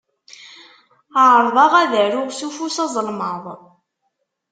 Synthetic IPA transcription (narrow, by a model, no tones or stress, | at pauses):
əʕɾˤðˤɑʁæðəɾʊʁsufusɑzˤlməðˤ